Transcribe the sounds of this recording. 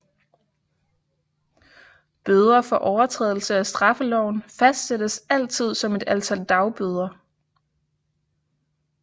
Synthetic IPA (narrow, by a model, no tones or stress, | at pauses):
b̥øð̞ˠɐfɒ̽ʔɒʊɐt͡sʰʁɛ̰ðˠl̩səæsd̥ʁɑ̈fəlɒʊ̰nfæsd̥sed̥əsæl̰t͡sʰið̞̰ˠsɒ̽me̝d̥ælt͡sʰæl̰d̥ɑ̈ʊb̥øð̞ˠɐ